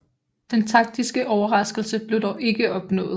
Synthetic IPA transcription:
d̥ent͡sʰɑ̈ɡ̥̚d̥isɡ̥əʔɒʊɐʁɑ̈sɡ̥l̩səb̥le̝ʊdɒʊʔe̝ɡ̥əɒ̽b̥nɔ̰̽ːð̩ˠ

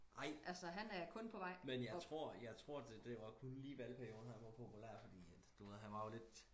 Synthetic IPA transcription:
ʔɑ̈ɪ̰ʔælsəɦænæɐkʰɔ̽npʰɒʋɑ̈ɪ̰menjɑ̈ɪt͡sʰʁo̝ɐ̰jɑ̈ɪt͡sʰʁo̝ɐ̰d̥ed̥eʋɑ̈kʰɔnliːʋælpʰæɐjo̝ːð̩ˠhænʋɑ̈pʰopʰulæɐ̰fɒ̽d̥ḭːæ̥ | d̥uʋeð̰ˠɦænʋɑ̈jo̝le̝d̥

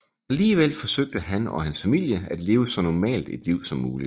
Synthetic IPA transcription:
æliːʋel̰fɒ̽søɡ̥̚d̥əɦænɒ̽hænsfæmil̰jəæd̥le̝ːʊəsɒ̽nɒmɛ̰ːld̥ed̥liʊ̰sɒ̽mːuːli

